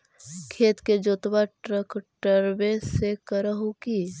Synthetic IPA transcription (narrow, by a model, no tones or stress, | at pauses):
kʰeːt̪ked͡ʒoːt̪baʈɾəkʈəɾbẽsekəɾəɦuki